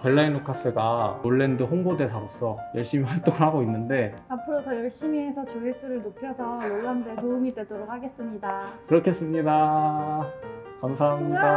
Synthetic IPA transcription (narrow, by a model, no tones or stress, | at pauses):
peɭːainokʰas͈ɯɡaoɭːe̞ndɯɦoŋbode̞sʰaop̚s͈ʌjʌɭɕ͈imiwaɭt͈oŋhaɡoinːɯnde̞apʰɯɾot͡ɕʌjʌɭɕ͈imiːsʰʌt͡ɕoes͈uɾɯɭnopʰjʌsʰʌjoɭːandɯtoumit͈we̞doɾok̚haɡe̞s͈ɯmɲidakɯɾʌkʰe̞s͈ɯmɲida | kamsʰaŋɲiɡa